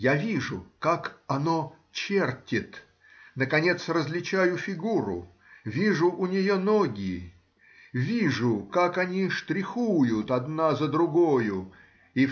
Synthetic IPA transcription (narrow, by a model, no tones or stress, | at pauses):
javʲiʐʊkakɐno | t͡ɕertʲɪt̪ | nəkɐnʲe̞t̪srəzʲlʲɪt͡ɕæjʊfʲɪɡuɾʊ̰ | vʲiʐʊʔʊnʲɪjonoɡʲɪ | vʲiʐʊkakɐnʲiʂt̪ɾʲɪxujʊt̪ɐd̪nazəd̪ɾʊɡojʊ | i